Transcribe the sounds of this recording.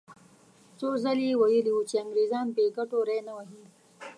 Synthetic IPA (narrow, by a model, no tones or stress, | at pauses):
sozaliwajəliwut͡ʃeaŋɡɾezɑːnpeɡaʈoɾejnawaɦi